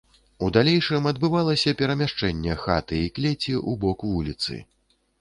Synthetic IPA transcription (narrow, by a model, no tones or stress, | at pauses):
ud̪alʲejʂɨmɐd̪bɨvalˠɐsʲɐpʲɛɾɐmʲaʂt͡ʂɛnʲːɛxa̰t̪ɨiklʲet͡sʲiʔubɔkvulʲit̪sɨ̰